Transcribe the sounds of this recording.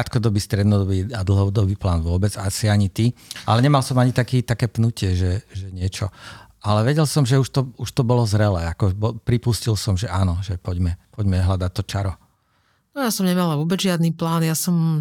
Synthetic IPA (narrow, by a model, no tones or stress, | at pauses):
at̪kɔd̪ɔbiːst̪ɾɛd̪nɔd̪ɔbiad̪l̩ˠɦɔd̪ɔbiːplaːnʋʊɔbɛd͡zasiaɲit̪iʔa̰lɛɲɛmalsɔmaɲit̪akiːt̪akɛːpnucɪɛʒɛʒɛɲɪɛt͡ʃɔ̰ | alɛʋɛɟɛlsɔmʒɛuʃt̪ɔuʃt̪ɔbɔlɔzɾɛlɛːakɔbɔpɾipuscilsɔmʒɛʔaːnɔʒɛpɔɟmɛpɔɟmɛɦlad̪att̪ːɔt͡ʃaɾɔ | nɔjasɔmɲɛmalaʋʊɔbɛd͡zʒɪad̪niːplaːnjasɔm